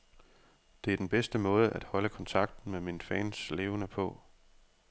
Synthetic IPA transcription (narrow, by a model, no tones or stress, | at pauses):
d̥e̝æɐd̥enb̥esd̥əmɔ̽ːð̞ˠəʔæd̥hɒ̽ləkʰɒ̽nt͡sʰɑ̈ɡ̥̚d̥n̩meminfɛːnsle̝ːʊənəpʰɔ̽